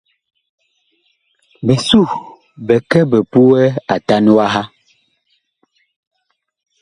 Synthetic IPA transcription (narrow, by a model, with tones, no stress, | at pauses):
bɛ˨su˦˨ | bɛ˨kɛ˦bɛ˨pu˦wɛ˦a˨ta˦nu˦a˦ɦa˦